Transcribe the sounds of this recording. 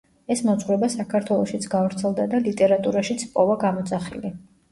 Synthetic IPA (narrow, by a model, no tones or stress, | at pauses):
ɛsmɔsʼʁwɾɛbasakʰaɾt̪ʰwɛlˠɔʃit̪sʰɡavɾt̪sʰɛlˠd̪ad̪alit̪ʼɛɾat̪ʼuɾaʃit̪sʰpʼɔvaɡamɔt̪sʼaχḭli